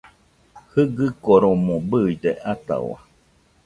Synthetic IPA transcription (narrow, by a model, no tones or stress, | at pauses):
hɨɡɨkoɾomõbɯid̪eʔat̪a̰wa̰